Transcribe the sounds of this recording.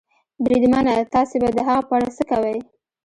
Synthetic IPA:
bɾid̪manat̪ɑsebad̪əɦaɣapaɽasəkawəj

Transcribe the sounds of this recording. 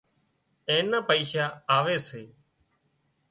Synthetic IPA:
ẽːnaːpəiːʃaːaːʋeːseː

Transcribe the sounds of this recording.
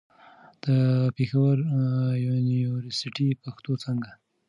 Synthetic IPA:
d̪̥əpexawəɾjuniuɾəsɪʈipaxt̪ot͡səŋɡa

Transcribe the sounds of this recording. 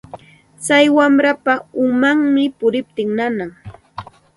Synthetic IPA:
t͡sajwamɾapaʊmaŋmɪpʊɾɪp̚t̪ɪŋnanaŋ

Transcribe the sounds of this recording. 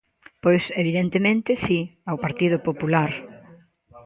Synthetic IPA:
pojseβiðent̪emẽnt̪ɪsiawpaɾt̪iðʊpopulaɾ

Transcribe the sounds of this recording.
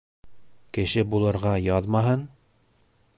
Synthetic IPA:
kɘ̆ʃɘbulˠɤ̆ɾʁɑjɑðmɑɦɤn

